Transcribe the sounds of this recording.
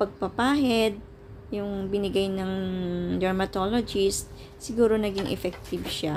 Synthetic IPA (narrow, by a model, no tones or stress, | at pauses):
pɐɡ̚pɐpaːɦɛd̪̚ | jʊŋbɪnɪɡajnɐŋd̪ɛɹmɐt̪oːlod͡ʒist̪̚ | sɪɡuːɾo̞nɐɡiŋʔɛ̰fɛk̚t̪ɪbʃa